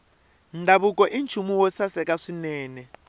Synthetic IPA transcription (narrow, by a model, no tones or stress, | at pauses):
ndʱaβukʼɔʔint͡ʃʰumuwɔsasɛkʼaʂinɛːnɛ